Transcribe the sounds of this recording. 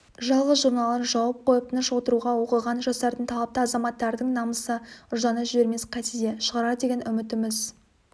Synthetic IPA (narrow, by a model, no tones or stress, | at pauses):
ʒɑlˠʁəzʒʊɾnɑlˠənʒɑwɑp̚qʰo̞jəp̚t̪ʰənəʃwo̞t̪əɾuʁɑwo̞qəʁɑnʒɑsɑɾd̪ənt̪ʰɑlˠɑp̚t̪əɑzɑmɑt̪ːɑɾd̪əɴnɑməsəʊʒd̪ɑnɑʒʏbe̞ɾme̞sqʰɑt̪ed̪eʃəʁɑɾɑəd̪e̞ɡʲe̞nʏmɪt̪ɪmɪz